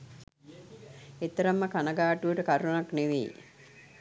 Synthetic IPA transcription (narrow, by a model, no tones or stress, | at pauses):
et̪ːɐɾəmːəkanəɡaːʈuəʈəkaɾunakneʋḛj